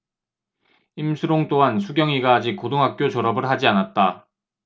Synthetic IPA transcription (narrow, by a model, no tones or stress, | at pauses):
imsʰɯɾoŋt͈oɦansʰuɡjʌŋiɡaːd͡ʑik̚k͈odoŋɦak̚k͈jot͡ɕʌɾʌbɯɭhad͡ʑianat̚t͈a